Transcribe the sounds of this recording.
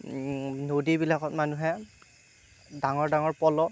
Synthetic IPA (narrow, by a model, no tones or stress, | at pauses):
nodibilakɔtmanuɦɛ | daŋɔɹdaŋɔɹpɔlɔ